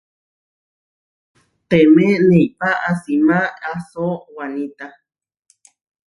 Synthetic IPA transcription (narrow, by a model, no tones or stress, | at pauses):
t̪emẽneipaʔasimãasowanĩt̪a